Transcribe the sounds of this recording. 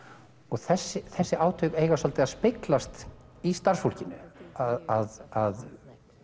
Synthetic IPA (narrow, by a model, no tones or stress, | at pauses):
ɔɣθɛsːɪθɛsːɪaːwt̪ʰœɥkeːjɣasɔlt̪ɪaðspɪklast̪ | ist̪ar̥sfolcɪnːʏaðaðað